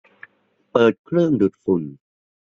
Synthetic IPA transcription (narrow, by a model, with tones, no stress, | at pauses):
pɤː˨˩t̪̚kʰɾɯ˥˩əŋdu˨˩t̪̚fu˨˩n